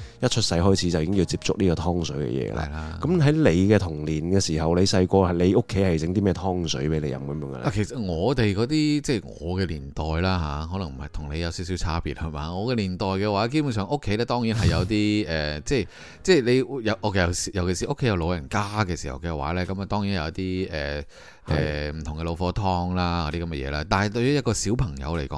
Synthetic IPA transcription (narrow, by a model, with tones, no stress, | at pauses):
jɐ˥t̚t͡ʃʰɵ˥t̚sɐ˧jɦɔː˥jt͡sʰi˨˥t͡sɐ˨wjiː˨˦kɪ˥ji˧wt͡siː˧p̚t͡sʊ˥k̚liː˥kɔː˧t̪ʰɔː˥ŋsɵ˨˥ɥkɛ̰˧jɛ̰ː˧˥ə̰˧lɐ̰˨jlaː˧kɐ˨˦mɦɐ˨˥jle˨˧jkɛː˧t̪ʰʊ˨˩ŋliː˨˩nkɛː˧siː˨˩ɦɐ˨wle˨˧jsɐ˧jkʷɔː˧hɐ˨le˨˧jʊ˥kʰːe˨˥jhɐ˨jt͡sɪ˨˥ŋt̪iː˥mɛː˥t̪ʰɔː˥ŋsɵ˨˥ɥpe˨˥le˨˧jɐ̰˨mkɐ˨˦mjœː˨˦ŋɡɐ̰˧l̰ʔa˨kʰe˨˩sɐ˨t̚ŋɔː˨˧t̪e˨jkɔː˨˧˥t̪iː˥t͡sɛː˥˩ŋɔ̰ː˨˧kɛː˧liː˨˩nt̪ɔː˨jlaː˥ɦaː˨˧˥hɔː˨˥lɐ˨˩ŋm̩˨˩hɐ̰˨jt̪ʰʊ˨˩ŋne˨˧jɐ˨˧wsi˨˥ws̬iː˨˥wt͡sʰaː˥pḭː˨t̚hɐ˨˧jma̰˨˧ŋɔː˨˧kɛː˧liː˨˩nt̪ɔː˨jkɛː˧waː˨˥ke˥jp̬u˧˥ns̬œː˨ŋʔʊ˥kʰːe˨˥jlɛː˥t̪ɔː˥ŋjiː˨˥nɦɐ˨jɐ˨˧wt̪̬iː˥ɛː˨t͡sɛː˥˧˩ | t͡sɛː˥˩jle˨˧jjɐ˨ʔɔ˨˩kɐ˨˩si˨jɐ˨wke˨˩si˨ʔo˥kʰːe˨˥jɐ˧wlo˨˧wjɐ˨˩nkaː˥kɛː˧si˨˩hɐ̰˨˩wkɛ˧wa̰ː˨˥lɛː˥kɐ˨˦mɐ˨t̪ɔː˥ŋjiː˨˥njɐ˨˧wɐ˥t̪iː˥ɛ̰ː˨˩ | ʔɛ̰ː˨m̩˨˩t̪ʰʊ˨˩ŋkɛ˧lo˨˧wfɔː˨˥t̪ʰɔː˧ŋlaː˥kɔː˧t̪i˥kɐ˨˦mɛ˧jɛː˨˧˥aː˥t̪aː˨nhɐ˨jt̪ɵ˧ɥjɔː˨˥jɐ˥t̚kɔː˧siː˨˥wpʰɐ˨˩ŋjɐ̰˨˧wle˨˩jkɔː˨˦